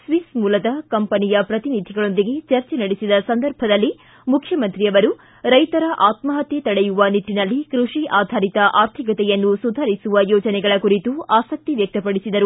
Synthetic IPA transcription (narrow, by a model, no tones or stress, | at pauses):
sʋismuːlɐd̪ɐkɐmpɐnijɐpɾɐt̪inid̪ʱiɡɐɭo̞nd̪iɡe̞t͡ʃɐɾt͡ʃenɐɽisid̪ɐsɐnd̪ɐɾbʱɐd̪ɐlːi | mukʰjɐmɐnt̪ɾijɐʋɐɾu | ɾɐjt̪ɐɾɐʔaːt̪mɐɦɐt̪jet̪ɐɽejuʋɐniʈːinɐlːikɾuʂiʔaːd̪ʱaːɾit̪ɐʔaːɾt̪ʰikɐt̪ɛjɐnːusud̪ʱaːɾisuʋɐjɔːd͡ʒɐnɛɡɐɭɐkuɾit̪uaːsɐk̚t̪iʋjɐk̚t̪ɐpɐɽisid̪ɐɾu